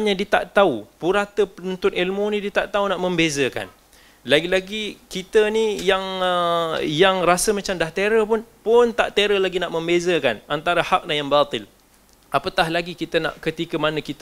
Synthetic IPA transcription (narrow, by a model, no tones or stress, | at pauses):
ɲadiət̪a̰ʔt̪aupuɾat̪əpələnt̪ʊnilmunĩdiət̪aʔt̪aunaʔməmbezəka̰n | laɡilaɡikit̪ənijaŋəjaŋɾasəmat͡ʃamdaht̪eɾəpʊnpʊnt̪aʔt̪eɾəlaɡinaʔmə̃mbezəkanʔant̪aɾahak̚nahjaŋbat̪ɪl | ʔapat̪ahlaɡikit̪əna̰ʔkət̪ikəmanəkit̪